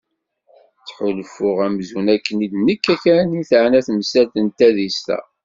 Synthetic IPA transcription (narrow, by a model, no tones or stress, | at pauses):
t͡sːħʊlfʊʁæmzunækːənid̪nəkːækæniθəʕnæθməsælt̪ənt̪æðist̪æ̰